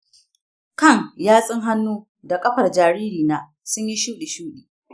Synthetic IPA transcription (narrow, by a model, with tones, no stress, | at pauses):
kɐ˦˨ŋjaː˦sʼɪ˦ŋɦa˦nːuː˦ | da˨kʼɐ˦ɸɐ˨rd͡ʒaː˨ɾiː˦ɾiː˨naː˨ | sʊ˦ɲji˦ʃuː˦ɗi˨ʃuː˦ɗiː˨